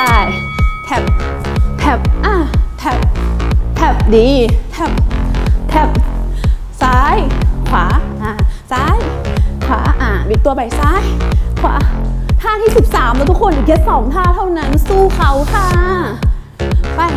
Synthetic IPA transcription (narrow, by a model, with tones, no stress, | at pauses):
a˧˩j | t̪ʰɛ˨˧˩p̚t̪ʰɛ˨˩p̚ʔaː˧˩t̪ʰɛ˨˩p̚t̪ʰɛ˨˩p̚diː˧˩t̪ʰɛ˧˩p̚t̪ʰɛ˨˩p̚ | saː˨˦˥jkʰwaː˩˦ʔaː˨˩saː˨˦˥jkʰwa̰ː˩˦ʔaː˨˩bi˨˧˩t̪u˧ɐpa˨˩jsaː˦˥jkʰwa̰ː˨˩˦t̪ʰaː˥˩t̪ʰiː˥˩si˨˩p̚saː˩˦mːa˧˦t̪ʰu˦˥kʰːo˧na˨˩ke˦˥t̪̚sɔː˩˦ŋt̪ʰaː˥˩t̪ʰa˥˩wna˦˥nsuː˥˩kʰa˦˥wkʰaː˧˥˩ | pa˧˩